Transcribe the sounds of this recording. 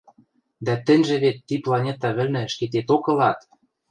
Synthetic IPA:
d̪æt̪ɘ̆nʲʒĕβet̪ːiplˠɑnʲet̪ɑβɘ̆lnɘ̆ʃket̪̬et̪okɤ̆lɑt̪

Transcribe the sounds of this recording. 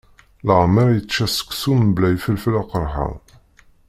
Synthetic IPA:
ləʕməɾjət͡sːæsə̥kʷːsumblæjfəlflaqəɾˤħa̰

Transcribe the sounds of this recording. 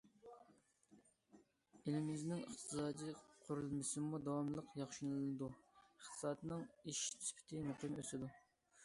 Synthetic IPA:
ɪlɪmɪznɪŋə̰χt̪ʰɨsɑːd̪ijqʰʊɾulˠmɨsɨmud̪ɑwɑmlˠəqjɑχʃunɨlɨlɨd̪uəχt̪ʰɨ̥sɑːt̪ʰnɨŋiʃt̪ʰy̥spʰɪ̥t̪ʰɪmuqʰɨmøsɪd̪u

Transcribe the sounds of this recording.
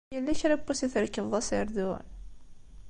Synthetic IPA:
jəlːæçɾæbːusiθəɾkːəvðˤɑsəɾd̪ʊ̰n

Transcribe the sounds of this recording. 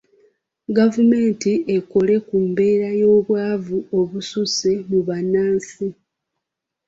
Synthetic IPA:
ɡavume̞ːntieko̞le̞kumbe̞ːɾajo̞ːβwaːvuo̞βususe̞muβanaːnsi

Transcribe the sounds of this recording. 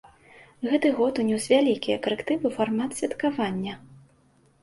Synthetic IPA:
ɣɛt̪ɨɣɔt̪unʲɔwsʲvʲalʲikʲijɐkɐɾɛkt̪ɨvɨfarmat̪sʲvʲɐt̪kavanʲːɐ

